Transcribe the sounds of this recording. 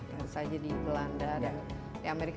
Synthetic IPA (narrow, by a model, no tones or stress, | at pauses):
jasad͡ʒadibəlandadan | jaameɾik